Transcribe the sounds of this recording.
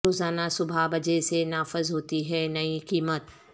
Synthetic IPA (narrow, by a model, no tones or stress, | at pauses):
oːzaːnasʊbʱabɐd͡ʑesenaːfɪzɦoːt̪iɦɛːnɐikiːmət̪